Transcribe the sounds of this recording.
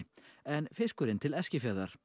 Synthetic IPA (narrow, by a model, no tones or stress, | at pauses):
ɛnfɪskʏɾɪnt̪ʰɪlɛscɪfjaðaɾ̥